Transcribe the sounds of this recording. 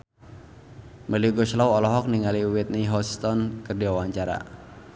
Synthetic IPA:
məliuɡɔʃlawɔlɔɦɔk̚niŋaliuwɛt̪̚niɦɔst̪ɔnkərdiwawaɲt͡ʃaɾa̰

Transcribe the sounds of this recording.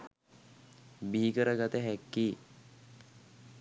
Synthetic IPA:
biikəɾəɡat̪əɦækːiː

